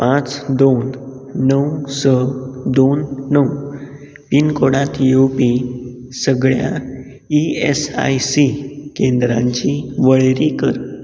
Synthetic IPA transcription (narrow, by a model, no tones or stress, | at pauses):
pãt͡sd̪onː | əwsəd̪onːəw | pinkoɽãt̪jewpi | səɡɭja̰ | iesa̰jsikend̪ɾãɲt͡ɕiʋəɭɾikəɾ